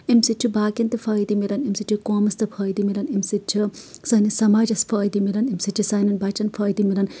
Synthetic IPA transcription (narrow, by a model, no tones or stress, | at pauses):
imsit͡ʃʰibaːkʲɐnt̪ɨpʰɐːjd̪imilɐnimsit͡ʃʰikoːmɐst̪ɐpʰɐːjd̪imilɐnimsit͡ʃʰisɐnisɐmaːd͡ʒɐspʰɐːjd̪imilɐnimsit͡ʃʰisaːnɐnbat͡ʃɐnpʰɐːjd̪imilɐn